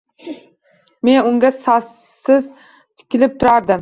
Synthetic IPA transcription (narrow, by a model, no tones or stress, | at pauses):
me̞nʊŋɡʲasɒs | ɪz | t̪ʰɪ̥kʲɪlɪp̚t̪ʰʊɾaɾd̪ɪm